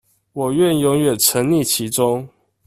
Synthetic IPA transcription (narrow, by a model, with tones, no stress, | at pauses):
wɔ˨˩ɥɛ˥˨njo˧˥ŋɥɛ˨˩nt͡sʰə˧˦ŋli˥˨t͡ɕʰi˧˥ʈ͡ʂʊ˦ŋ